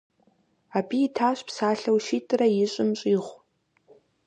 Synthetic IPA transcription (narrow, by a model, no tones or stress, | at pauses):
aːbijɪtʰaːɕpsaːɬɐwʃiːtʼɨrɐjɪɕʼɪmɕʼiːʁʷ